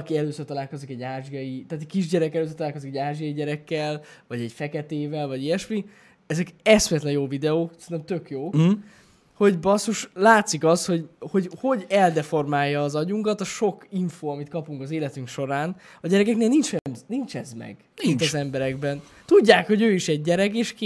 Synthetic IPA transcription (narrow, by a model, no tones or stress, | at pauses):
kiɛløːsørt̪ɒlaːlko̞zikɛɟːaːʒiɒjit̪aːt̪ɛkiʒɟɛɾɛkɛløːs̬ørt̪laːlkozikɛɟaːʒijɒjiɟɛɾɛkːɛlvɒɟɛɟfɛkɛt̪eːvɛlvɒɟiɛʃmi | ɛzɛkɛsmɛt̪lɛjoːvid̪ɛoːksɛnɛmt̪økjoː | ho̞ɟbɒsuʃlaːt̪sikɒsho̞ɟho̞ɟho̞ɟɛld̪ɛfo̞rmaːjːɒːzɒɟuŋkɒt̪ɒʃo̞kiɱfoːɒmit̪̚kɒpuŋkɒzeːlɛt̪yŋkʃo̞ɾaːnɒɟɛɾɛkɛkneːlnint͡ʃɛmnint͡ʃɛzmɛ̰ɡ | mint̪ɛzɛmbɛɾɛɡbɛn | t̪uɟːaːkho̞ɟøːiʃɛɟːɛɾɛɡeːʃk